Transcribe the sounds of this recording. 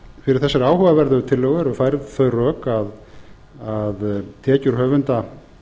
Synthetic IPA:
fɪɾɪɾ̥θɛsːɪɾaːwhœvavɛɾðʏt̪ʰɪlːœɣɛɾɔfajɾðθœɥrœːkað | aðt̪ʰɛːcʏɾ̥hœːvʏnt̪a

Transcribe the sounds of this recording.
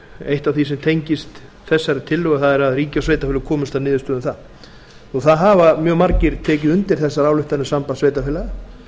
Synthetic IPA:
ejht̪avθisɛmt̪ʰejɲcɪst̪ | θɛsːaɾɪt̪ʰɪlːʏɣaθaðɛɾaðriːcasveːjt̪afɪlʏkʰɔːmʏst̪awnɪːðʏst̪œːðʏmθað | uθaðɦaːvamjœːɣmaɾcɪɾt̪ʰɛːcɪðʏnt̪ɪɾ̥θɛsːaɾaːwlʏht̪anɪsampasveːjt̪afɪːlaɣa

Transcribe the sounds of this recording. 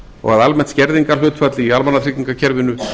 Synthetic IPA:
ɔ̰ɣaðalmɛn̥t̪scɛɾðiŋkalʏːt̪fat̪lɪialmanːat̪ʰɾɪciŋkacʰɛɾvɪnʏ

